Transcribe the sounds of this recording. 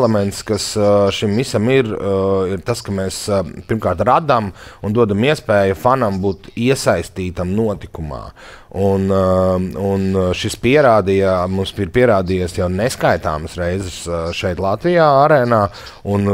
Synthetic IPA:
lɛmɛnt̪skasʃimvisamiɾiɾt̪askɐmɛːspiɾmkaːɾt̪ɾad̪amund̪uɔd̪amiɛspɛːjufanambuːt̪iɛsajst̪iːt̪amnuɔt̪ikuma̰ː | un | unʃispiɛɾaːd̪ijamumspiɾpiɛɾaːd̪ijasjawnɛskajt̪a̰ːməsɾɛjzɛsʃɛjt̪lˠat̪ʋijaːaɾɛːnaː | un

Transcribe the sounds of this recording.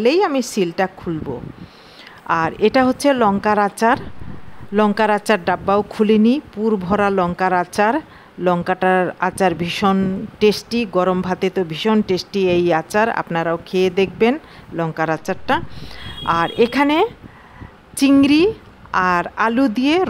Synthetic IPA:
lejamisilʈakʰulbo̰ | aɾeʈaɦotːɕʰelɔŋkaɾat͡ɕaɾ | lɔŋkaɾat͡ɕaɾɖabːaokʰulenipuɾbʱɔɾalɔŋkaɾat͡ɕaɾ | lɔŋkaʈaɾat͡ɕaɾbʱiʃonʈesʈiɡɔɾombʱat̪it̪obʱiʃonʈesʈiejat͡ɕaɾa̰pnaɾaokʰeed̪ek̚ʰben | lɔŋkaɾat͡ɕaɾʈa | aɾekʰane | t͡ɕiŋɾi | aɾalud̪ije

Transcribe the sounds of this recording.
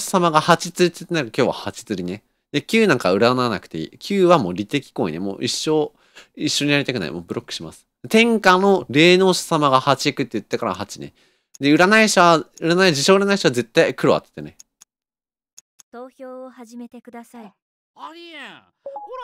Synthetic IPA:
samaɡahat͡ɕit͡sɨɾit̪ɨ̥t̪ːenaɾkakʲo̞ːβa̰hat͡ɕi̥t͡sɨɾʲine | d̪e̞kʲɨːnãŋkaɯ̟ɾananakɯ̟̥t̪eḭkʲʰɨːβamo̞ːɾʲit̪e̞kʲi̥ko̞ḭnemo̞̰ːʔiɕːo̞ | iɕːo̞ɲ̟ijaɾʲit̪akɯ̟na̰ḭmo̞̰ːbɯ̟ɾo̞kːɯ̟̥ɕima̰sɨ̥d̪et̪ẽ̞ŋkano̞ɾe̞ːno̞ːɕi̥samaɡahat͡ɕiikɯ̟t̪ːeɯ̟t̪ːekaɾa̰hat͡ɕine | d̪e̞ɯ̟ɾanaiɕaɯ̟ɾanaid͡ʑiɕo̞ːɯɾanaiɕoβaze̞t̪ːaikɯ̟ɾo̞a̰t̪ːe̥t̪ːene | t̪oːçʲoːhaʑime̞t̪e̞kɯ̟d̪asai | i

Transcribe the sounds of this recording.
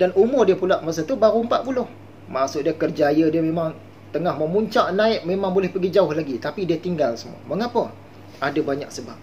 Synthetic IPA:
danumʊrdiəpulaʔmas̬at̪ubaɾuəmpaʔ̚pulʊh | maʔsʊʔ̚diəkərd͡ʒajədiəmemaŋ | t̪əŋahməmuɲt͡ʃaʔnaɪʔ̚memãŋbolɛhpəɡid͡ʒaʊhlaɡit̪apidiət̪iŋɡalsəmṵa̰məŋapə | adabaɲa̰k̚səbap̚

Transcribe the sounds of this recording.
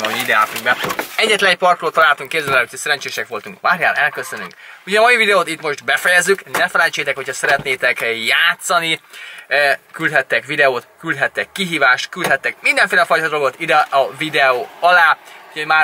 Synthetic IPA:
ɛoiid̪ɛa̰ːt̪uŋɡbɛɛɟːɛt̪lɛnɛc̚pɒrk̪roːt̪ɒlaːlt̪uŋkːeːzɛlɛløt̪ːøsɛɾɛnt͡ʃeːʃɛkʋo̞lt̪uŋkmaːɾjaːɾɛlkø̞søny̰ŋkuɟɛːmɒjivid̪ɛoːt̪it̪mo̞ʒd̪bɛfɛjɛzːyknɛfɛlɛnt͡ʃeːt̪ɛkho̞chɒsɛɾɛt̪neːt̪ɛkjaːt̪sɒni | kylt̪hɛt̪ːɛkʋid̪ɛoːt̪kyld̪ɦɛt̪ːɛkːiɦiːvaːʃt̪kyld̪ɦɛt̪ːɛkmind̪ɛɱfeːlɛfɒjt̪ɒd̪o̞lɡo̞t̪id̪ɛɒvid̪ɛoːɒlaːuɟʰɒmaː

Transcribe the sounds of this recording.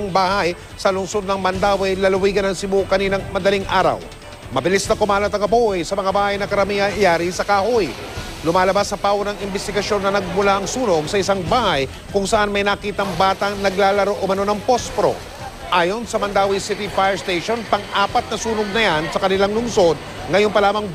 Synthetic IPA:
ŋbaːhaj | sɐlʊŋso̞d̪̚nɐŋmɐnd̪aːwɪjlɐlʊwiːɡɐnɐŋsɪmokɐniːnɐŋmɐd̪ɐliŋʔaːɾɐ̰w | mɐbɪlisnɐkʊmaːlɐt̪ɐŋɐbojsɐmɐŋabaːhɐjnɐkɐɾɐmiɐjaːɾisɐkaːhoj | lʊmaːlɐbasːɐpaːwonɐŋɪmbɛst̪ɪɡɐʃjo̞nːɐnɐɡ̚mʊlaʔɐŋsuːnoɡsɐʔɪsaŋbaːhɐj | kʊŋsɐʔanmɐjnakiːt̪ɐŋbaːt̪ɐŋnɐɡlaːlɐɾoʔʊmɐno̞nɐŋpospɾo̰ | ʔaːjo̞nsɐmɐnd̪aːwɪjsɪt̪ifajɛɹst̪ejʃo̞npɐŋʔaːpɐt̪̚nɐsuːnoɡ̚nɐjansɐkɐnɪlaŋlʊŋso̞d̪̚ | ŋɐjonpɐlaːmɐŋ

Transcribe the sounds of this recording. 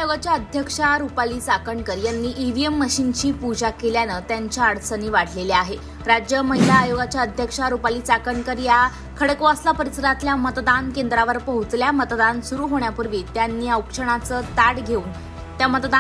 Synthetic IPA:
joɡat͡ɕjaəd̪ʱjəkʂaɾupaliːt͡sakəɳkəɾjanːiːʔiʋiemːəɕint͡ɕiːpud͡ʑakeljanət̪jaɲt͡ɕjaəɽsəniːʋaʈʰleleaɦe | ɾad͡ʑjəməɦilaːjoɡat͡ɕjaəd̪ʱjəkʂaɾupaliːt͡sakəɳkəɾja | kʰəɽkoəslapəɾisəɾat̪ljamət̪d̪ankend̪ɾaʋəɾpəɦut͡sljamət̪d̪ansuɾuːɦoɳjapuɾʋiːt̪janːiːəwkʂəɳ̃at͡səːt̪aɽɡʱeuːn | t̪jamət̪d̪a

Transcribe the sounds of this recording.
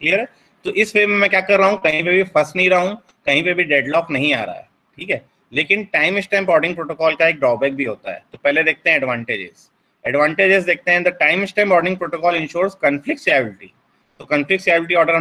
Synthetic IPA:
kʰliːəɾɦɛː | t̪oːʔɪsʋeːmẽmɛ̃kjaːkɐɾːaːɦũkɐɦĩp̬ebʱifɐsnɐɦĩɾaɦũ | kɐɦĩpeɐbʱiɖeːɖlɔːknɐɦĩa̰ːɾa̰ɦɛ̰ | ʈʰiːkɦɛː | leːkɪnʈaːɪmɪsʈãːmbɔːɖɪ̃ŋɡpɾoːʈoːkɔːlkaeːk̚ɖɾɔːbɛːk̚bʱiɦoːt̪a̰ɦɛ̰ːt̪opɛɦled̪eːk̚t̪ẽɦɛ̃ɛɖʋãːɳʈeːd͡ʒɪ̰z̥ | ɛɖʋãːɳʈeːd͡ʒɪzd̪eːk̚ʰt̪eɦɛ̃d̪ɐʈaːɪmɪsʈãːmbɔːɾɖnɪ̃ŋɡpɾoːʈokɔːlɪ̃nʃoːɾzkɐnflɪkʈsaːbɪlɪʈḭː | t̪okɐ̃nflɪkʈsaːbɪlʈ̬iɔːɖəɾ

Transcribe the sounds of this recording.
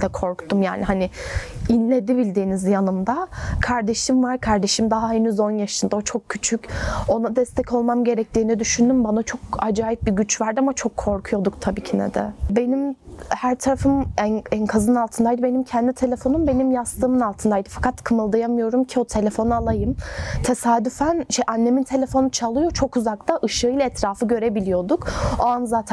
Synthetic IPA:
d̪ɛkʰo̞ɾkt̪ʰumja̰ːniɦanɪinlʲe̞d̪ibilʲd̪iːnizjanɯmd̪akʰaɾd̪e̞ʃimvaɾkʰaɾd̪e̞ʃimd̪aɦaenyzo̞njaʃɯnd̪ao̞t͡ʃʰo̞kcʰːyt͡ʃʰyco̞nad̪ɛst̪ʰɛcʰo̞lˠmamɟe̞ɾɛc̚t̪ʰiːnɛd̪yʃynd̪ymbanat͡ʃʰo̞kad͡ʒaːjip̚biɟyt͡ʃvaɾd̪amat͡ʃʰo̞kʰːo̞ɾkʰujo̞d̪ukt̪ʰabiːcʰinɛ̰d̪ɛ̰be̞nimhæɾt̪ʰaɾafɯmænænkʰazɯnalˠt̪ʰɯnd̪ajd̪ɯbe̞nimcʰɛnd̪it̪ʰe̞lʲe̞fo̞numbe̞nimjast̪ʰɯːmɯnalˠt̪ʰɯnd̪ajd̪ɯfakʰat̪kʰɯmɯlˠd̪ajamɯjo̞ɾumcʰio̞t̪ʰe̞lʲe̞fo̞nualˠajɯmt̪ʰe̞saːd̪yfænʃɛʔanːe̞mint̪ʰe̞lʲe̞fo̞nut͡ʃʰalˠɯjo̞t͡ʃʰo̞kuzakt̪ʰaʔɯʃɯɯjlˠaɛt̪ʰɾaːfɯɟø̞ɾe̞bilʲijo̞d̪ukoanzaːt̪ʰ

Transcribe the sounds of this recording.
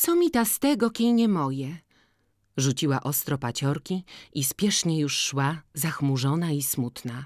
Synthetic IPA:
t̪ɔmʲit̪ast̪ɛɡɔkʲejɲɛmɔjɛ | ʐut͡ɕiwaʔɔst̪ɾɔpat͡ɕɔɾkʲiispʲjɛʂɲɛjuʂːwazaxmuʐɔnaismut̪na

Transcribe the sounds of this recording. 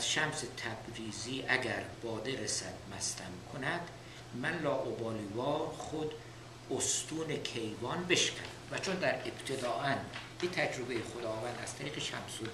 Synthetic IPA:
æz̥ʃæmset̪ʰæbɾiːziːʔæɡæɾb̥ɒːd̪eɾesæd̪mæst̪ʰæmkʰonæd̪̥ | mænlɒːʔobɒːliːvɒːɾχod̪ | ost̪uːnekʰe̞jvɒːnbe̞ʃɡæ̰næmvæt͡ʃʰond̪æɾeb̥t̪ʰe̞d̪ɒːʔæn | it̪ʰæd͡ʒɾobe̞jeχod̪ɒːvænd̪æ̰z̥t̪ʰæɾiːɣeʃæ̰mso

